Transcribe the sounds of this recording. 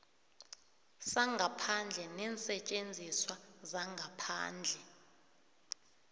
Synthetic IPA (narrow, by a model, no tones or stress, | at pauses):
saŋɡʱapʰand͡ɮʱɛnɛːnsɛt͡ʃʼend͡zʱiswazaŋɡʱapʰa̰ːnd͡ɮʱɛ